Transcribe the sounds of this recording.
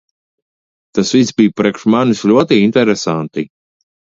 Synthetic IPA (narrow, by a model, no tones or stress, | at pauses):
t̪asvisbijpɾʲiɛkʃmanislʲuɔt̪iint̪ɛɾɛsant̪i